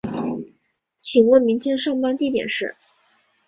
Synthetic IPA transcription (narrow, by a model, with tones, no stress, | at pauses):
t͡ɕʰi˨˩wɔ˥˩mi˧˥nt͡ɕjɛ˥nʂɑ˥˩ŋpa˥nt̪i˥˩t̪jɛ̰˨˩nʂɻ̩˥˩